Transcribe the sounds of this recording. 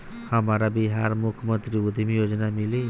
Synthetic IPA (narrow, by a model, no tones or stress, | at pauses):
samaɾabiɦaɾmukʰmʌnt̪ɾiud̪ʱimijod͡zʌnamili